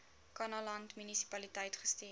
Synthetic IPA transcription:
kɐnɐlɐntmynisi̥pɐlitəjtχəsti

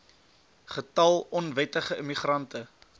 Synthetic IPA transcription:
χətɐlˠɔnvɛtəχəəmiχrɐntə

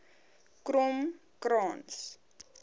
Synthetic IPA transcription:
krɔm | krɑːns

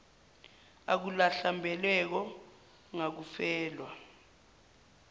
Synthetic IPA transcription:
ak̬ulaɬambʱɛlwɛk̬ɔ | ŋak̬ufɛːlwa

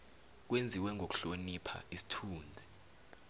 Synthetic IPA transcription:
k̬wend͡zʱiwɛŋʱok̬u̥ɬonipʰa̰isi̥tʰuːnd͡zʱi

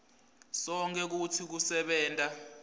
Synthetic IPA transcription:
sɔŋk̬ʼɛk̬utʰik̬usɛɓɛːntʼa

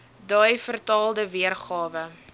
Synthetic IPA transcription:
dɐjfərtɑːlˠdəviərχɑːvə

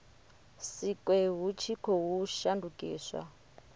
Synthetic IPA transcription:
sikʼwɛɦut͡ʃʰikʰɔɦuʃandukʼḭːswa̰

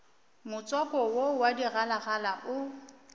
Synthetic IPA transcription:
mʊt͡sʼɔkɔwowadiralaɣalaʔʊ

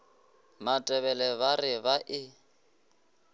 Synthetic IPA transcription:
matʼɛβɛlɛβarɪβaʔɪ

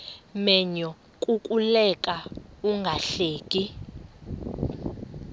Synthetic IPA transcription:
mɛɲɔ | kʼukʼulɛkʼauŋɡʱaɬeːkʼi

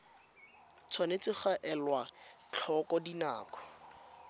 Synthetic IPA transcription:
t͡sʰwanet͡sɪχaʔɛlwat͡ɬʰɔkɔdina̰ːkɔ̥

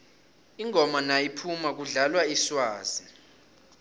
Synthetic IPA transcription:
iŋʱɔmanajipʰumak̬uɮalwaiswaːzi

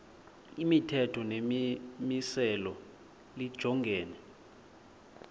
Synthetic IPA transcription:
imitʰɛtʰɔnemisɛlɔ | lid̥ʒ̥ʱɔŋɡʱɛːnɛ

